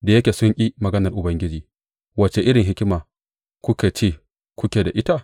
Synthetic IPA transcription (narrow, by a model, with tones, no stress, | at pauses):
da˨jɐ˦kʲeː˨sʊ˦ŋkʲʼi˦mɐ˨ɡɐ˦nɐ˨rʔʊ˨bɐ˦ŋɡʲɪ˦d͡ʒiː˨ | wɐ˨t͡ʃe˨ʔɪ˦ɽɪ˨ŋɦɪ˦kʲɪ˦maː˨ | kʷʊ˦kʲe˨t͡ʃeː˦˨ | kʷʊ˦kʲe˨da˨ʔɪ˦ta˦